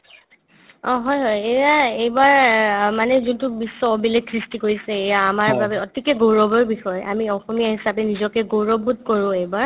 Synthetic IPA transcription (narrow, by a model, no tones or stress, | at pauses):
ɔ̃ɦɔjɦɔjejaejbaɹmanɛzuntʊbisːɔɔbilekʰɹistikoɹisɛːjaːmaɹbabɛɔtikɛɡowɹɔbɔɹbixɔja̰miɔxɔmijaɦisapɛnizɔkɛɡowɹɔbːud̚koɹʊ̃ejbaɹ